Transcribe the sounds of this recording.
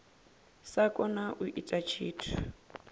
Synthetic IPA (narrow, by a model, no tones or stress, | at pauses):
sakʼɔnaʔuʔitʼat͡ʃʰiːtʰḁ